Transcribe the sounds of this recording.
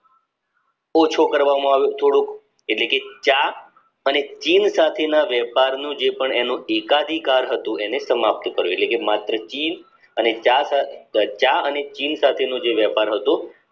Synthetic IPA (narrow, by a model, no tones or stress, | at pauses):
ɔt͡ʃʰokəɾʋamõaʋjõt̪ʰoɽũk | eʈleket͡ʃa | ənet͡ʃinsat̪ʰenaʋjɛpaɾnũd͡ʒepəɳenũekad̪ʱikaɾɦət̪ũenesəmap̚t̪əkəɾjueʈlekemat̪ɾət͡ʃin | ənet͡ʃasat͡ʃaənet͡ʃinsat̪ʰenũd͡ʒeʋjɛpaɾɦət̪ũ